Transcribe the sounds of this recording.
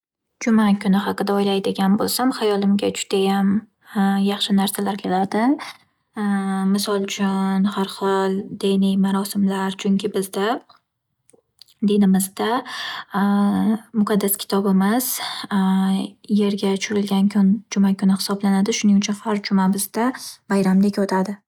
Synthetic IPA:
d͡ʒʊmakʰʲʊnɪɦɑqɨd̪aɒjlajd̪eɡʲanbolˠsamhajɒlɪmɡʲad͡ʒʊd̪̥ajam | jɑχʃɪnaɾsalaɾkʲʰelaɾd̪ɪ | mɪsɒlˠt͡ʃʰʊnhaɾχɒlˠd̪enɪjmaɾɒsɪmlaɾt͡ʃʰʊŋʲkʲɪbɪzd̪a | d̪ed̪ɪmɪzd̪a | mʊqʰɑd̪ːaskʲɪ̥t̪ʰɒbɪmɪz | je̞ɾɡʲat͡ʃʰʊɾɪlɡʲanʰnd͡ʒʊmakʲʰʊnɪhɪ̥sɒblanad̪ɪʃʊnɪŋʊt͡ʃʰʊnhaɾd͡ʒʊmabɪzd̪abajɾamd̪ɪkʲot̪ʰad̪ɪ

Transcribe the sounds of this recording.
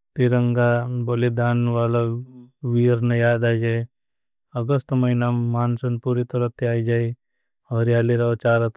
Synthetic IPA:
t̪iɾəŋɡabolid̪aːnʋaːlaʋiːɾnejaːd̪aːjd͡ʒaj | ɐɡəst̪mɐinamaːnsɐnpuːɾit̪ɐɾət̪ʰːiaːid͡ʒaːi | ɔːɾjaːliɾɐt͡ʃaːɾɐt̪

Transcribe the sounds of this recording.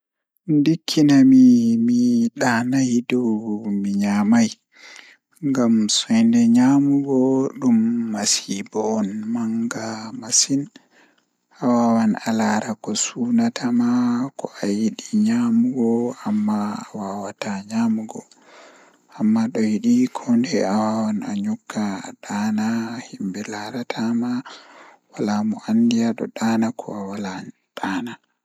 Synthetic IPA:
ndikʰːinamimiɗanajdɔwmiɲamaj | ŋɡamsɔjndɛɲamuɡɔɗumːasibɔnmaŋɡamasin | ʔawawana̰laɾakɔsunatʰamakɔʔajiɗiɲamuɡɔamːaːwawataɲamuɡɔ | amːaɗɔjiɗikʰɔndɛawawanaɲukːa̰ɗanahimbɛlaɾatʰama | walamɔʔandijaɗɔ̰ɗaːnakʰɔ̰awala | ɗ̥ana

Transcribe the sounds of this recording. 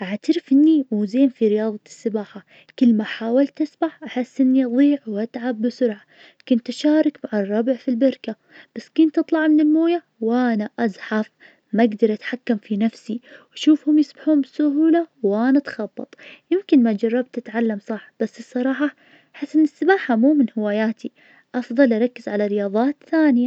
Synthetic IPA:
ʔaʕt̪aɾɪfʔɪnːizeːnfiɾɪjɑːðˤɑsːɪbaːħa | kɪlːmaħaːwalt̪ʔasbaħʔaħɪsːʔɪnːiʔɑðˤiːʕwʔat̪ʕabːɪsʊɾʕa | kʊnt̪ʔaʃaːɾˤɑkmaʕarˤːɑbɪʕfilbɑɾka | b̥asːkʊnt̪ːɨt̪ˤlɑʕmɪnɪlmoːja | wʔanaʔazˤħaf | maɡd̪ɑɾˤʔat̪ħakːamfinafsiwʔaʃuːfhʊmjɪsˤbaħuːnbɪsʊhuːlawʔanat̪xɑbːɑ̰t̪ˤjɪmkɪnmad͡ʒɑrˤːɑb̚t̪ɪt̪ʕalːamsˤɑħb̥asːɨsˤːɑɾˤɑːħɑ | aħɪsːʔɪnːɪsːɪbaːħamuːmɪnhɪwaːjaːt̪ʰi | ʔɑfðˤɑlʔɑɾˤɑkːɪzʕalaɾɪjɑːðˤɑːt̪θaːnɪja

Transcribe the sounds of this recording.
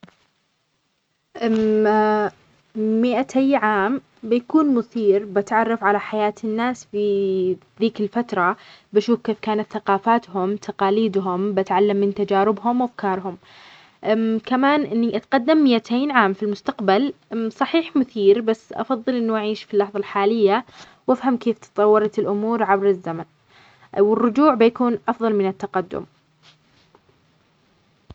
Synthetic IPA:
ʔ | mɪʔat̪ʰajʕaːm | bɪjakuːnmʊθiːɾbɪt̪ʕɑrˤːɑfʕalaħajaːt̪ʰɪnːaːsfiðiːkɪlfat̪ɾˤɑbɪʃuːfkeːfkaːnat̪θaqɑːfaːt̪hʊmt̪ʰaqɑːliːd̪ɦʊmbat̪ʕalːamːɪnt̪ad͡ʒaːɾɪbɦʊmwafkɑːɾˤɦʊm | kamaːnʔɪnːiʔat̪qad̪ːamːɪjat̪ʰeːnʕaːmfilmʊst̪aqbalsˤɑħiːħmʊθiːɾbasːʔɑ̰fɑðˤːɨlʔɪnːuʔaʕiːʃfilːɑħðˤɑlħaːlɪjːa | wʔafhamkeːft̪ɨ̥t̪ˤɑwːɑɾˤɑt̪ɪlʔʊmuːɾʕabɾɪzːaman | wɪrːʊd͡ʒuːʕbɪjakuːnʔɑfðˤɑlmɪnɪt̪ːaqad̪ːʊ̰m

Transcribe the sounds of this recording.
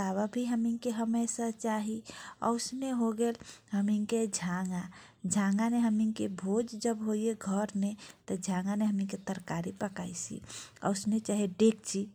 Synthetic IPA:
aβabʱiɦəmiŋkeɦəmesat͡ʃaɦiə̰ʊsneɦoɡelɦəmiŋked͡ʒʱaŋɡa | d͡ʒʱãŋɡaneɦəmiŋkebʱod͡ʒd͡ʒəbɦoijeɡʱəɾnet̪əd͡ʒʱãŋɡaneɦəmiŋket̪əɾkaɾipəkaisḭə̰ʊsnet͡ʃaɦiɖekt͡ʃʰi

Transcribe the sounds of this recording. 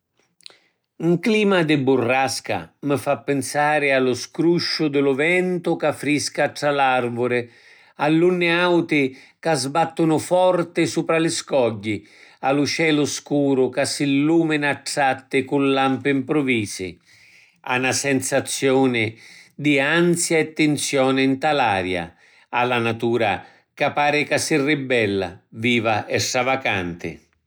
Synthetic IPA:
uŋkliːmad̪ɪbʊrːaska̰məfapːɪnsaːɾɪalʊskɾuʃːʊd̪ɪlʊvɛnt̪ʊkafːɾiskaʈɾalarvʊɾɪ | alːunːɪawt̪ɪ | kazbat̪ːʊnʊfɔrt̪ɪsuːpɾalɪskɔɟːi | alʊt͡ʃɛːlʊskuːɾʊkasːɪlːuːmɪnaʈːat̪ːɪkulːampɪimpɾʊviːsɪ̰ | a̰nasɛnsat̪sːjɔːnɪd̪ɪant̪sjaɛt̪ːɪnt̪sjɔːnɪnt̪alaːɾja̰ | alːanat̪uːɾa̰ | kapːaːɾɪkasːɪrːibːɛlːa̰viːvaʔɛsːavakant̪ɪ̰

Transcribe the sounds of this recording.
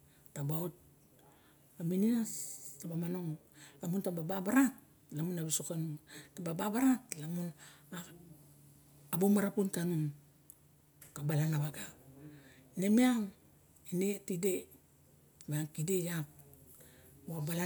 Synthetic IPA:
tabaut̚ | amininastabamanoŋlamuntabababaɾat̚ | lamunabisokanuntabababaɾatlamuna | bumaɾapuntanun | kabalanaβaɡa | inemiaŋ | inetide | maaŋkidejap̚ | abala

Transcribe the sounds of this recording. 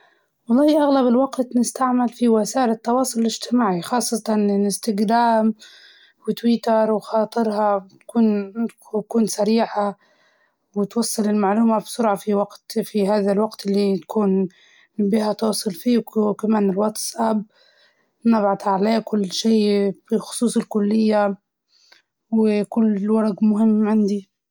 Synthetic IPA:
wɑlˤːɑːhʔaɣlabɪlwaɡt̪nɪst̪aʕmalfiwasaːʔɪlɪt̪ːɑwɑːsˤʊlɪlɪd͡ʒt̪ɪmaːʕixɑːsˤːɑt̪ˤɑnɪlɪst̪ɪɡɾaːm | wɪt̪wɪt̪ɑɾˤwxɑːt̪ˤɨɾhɑt̪kuːn | kuːnsaɾiːħa | wɪt̪wɑsˤːɑlɪlmaʕluːmabsʊɾʕafiwaɡt̪fiɦaːðalwɑɡt̪ɪlːit̪ḁkʰuːn | biːhat̪ɑsˤːɨlfiːkamaːnɪlwɑt̪sʔab | mabʕad̪aʕaleːkʊlːʃiːfixʊ̥sˤuːsˤɪlkʊlːɪjːa | wɪkʊlːwɑɾˤɑɡmʊɦɪmːʕɪnd̪i

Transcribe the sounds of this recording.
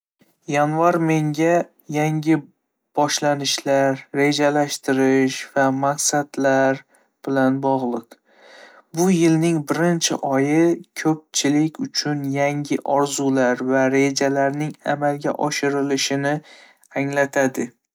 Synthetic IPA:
janvaɾme̞ŋɡʲa | jaŋɡʲɪ | b̥ɒʃlanɪʃlaɾːe̞d͡ʒalaʃt̪ɪɾɪʃvamaqsad̪laɾ | b̥ɪlanbɒʁlˠɨq | bʊjɪlnɪŋbɪɾɪnt͡ʃʰɪ̰ʔɒjɪkʰɵp̚t͡ʃʰɪlɪkʲʊt͡ʃʰʊnjaŋʲɪʔɒɾzulaɾvaɾe̞d͡ʒalaɾnɪŋamalɡʲa̰ʔɒʃɪɾɪlɪʃɪnɪ | aŋlat̪ʰad̪ɪ

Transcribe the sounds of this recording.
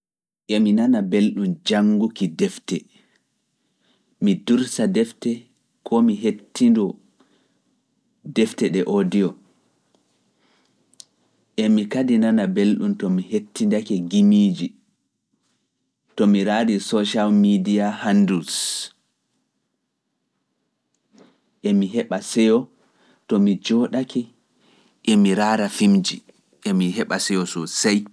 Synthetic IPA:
ʔɛminanabelɗumd͡ʒaŋɡukidɛftɛ | miduɾsadɛftɛ | kʰɔmiɦetːindɔ | dɛftɛɗɛʔodiɔ | ʔɛmikadinanabelɗumtɔmihetːindakɛɡimid͡ʒi | tɔmiɾaɾisɔʃalmidiahandus | ʔɛmiɦɛɓasɛjɔ | tɔmid͡ʒɔɗakɛ | ʔɛmiɾaɾafimd͡ʒi | ʔɛmiɦɛɓasɛjɔsɔsaj

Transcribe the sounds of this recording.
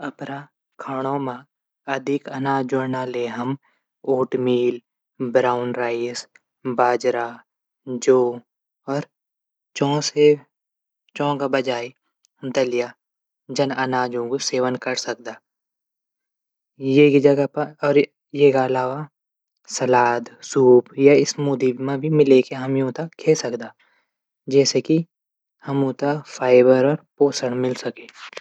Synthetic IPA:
ɐpɾa | kʰaɽ̃õmã | ɐd̪ʱɪkɐnaːd͡ʒonaleɦɐm | oːʈmiːl | bɾaːʊnɾaːis | baːd͡ʒɾa | d͡ʒoː | ɔːɾ | t͡ʃɔ̃ːse | t͡ʃɔ̃ːkabɐd͡ʒaːi | d̪əlɪja | d͡ʒɐnɐnaːd͡ʒõkoseːʋənkɐɾsɐk̚d̪aː | jekid͡ʒɐɡapɔːɾ | jekaɐlaːʋa | sɐlaːd̪suːbjaɪsmuːd̪ibmãbʱimɪlekeɦɐmjõːt̪akʰːeːsɐkd̪aː | d͡ʒɛːseki | hɐmʊ̃t̪afʰaːɪbəɾɔːɾpoːsəɽ̃mɪlsɐkeː

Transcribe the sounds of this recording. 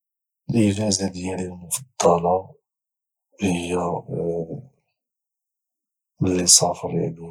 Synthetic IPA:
lʔəvæzæd̪jælilmʊfɑd̪̥ˤːɑlɑ | həjːæ | məlːisˤɑfəɾˤæ̰d̪u

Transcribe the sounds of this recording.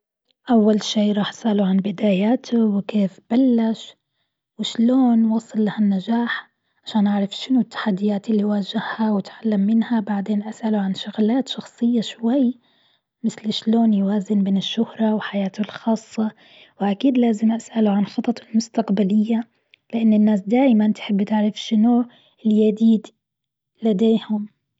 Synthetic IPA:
ʔawːalʃeːɾˤɑːħʔasʔalʊʕanbɪd̪aːjaːt̪ʰʊwɪkeːfb̥alːaʃ | wɪʃloːnwɑːsˤːɨlːahanːad͡ʒaːħ | ʕaʃaːnʔaʕɾˤɑfʃɪnʊt̪ːḁħad̪ːɪjaːt̪ɪlːiwaːʒɪhhawɪt̪ʕalːamːɪnhabaʕd̪eːnʔasʔalʊʕanʃʊɣlaːt̪ʃɑxsˤɨjːaʃwajː | mɪθlɪʃloːnjwaːzɪnbeːnɪʃːʊhɾˤɑwħajaːt̪ʊlxɑːsˤːɑ | wʔakiːd̪laːzɪmʔasʔaluʕanxɑt̪ˤɑt̪ˤɪlmʊst̪aqbalɪjːa | lɪʔanːɪnːaːsd̪aːjmant̪ħɪbːt̪ɪʕɾɪfʃɪnu | ɪljad̪iːd̪ | lad̪eːhʊm

